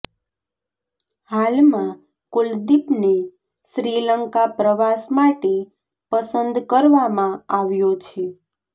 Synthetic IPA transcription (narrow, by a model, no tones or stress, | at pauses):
halmã | kʊld̪ipne | ʃɾiləŋkapɾəʋasmaʈe | pəsənd̪kəɾʋamãaʋjot͡ʃʰe